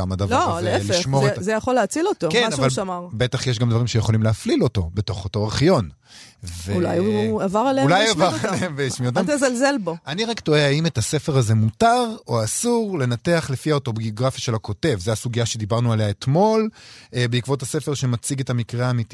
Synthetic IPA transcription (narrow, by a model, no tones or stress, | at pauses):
amadavloaleelieʃmo̞ʁezejaχoleat͡silotokenavalmaʁbe̞taχjeʃ̬ɡamdvaʁimʃejeχo̞limleaflilo̞to̞be̞to̞χoto̞eχjo̞n | veulajavaʁaleulajavaʁaleemvejaʃmiot̪̬amzalzelboʔaniʁaktoeaimetase̞fe̞ʁaze̞mutaʁoasuʁle̞nateaχle̞fiaoto̞bioɡʁafjaʃe̞lako̞te̞vzeasuɡijaʃe̞d̪ibaʁnualejaetmo̞lbeikvo̞thase̞fe̞ʁʃemat͡siɡe̞tamikʁeaːmiti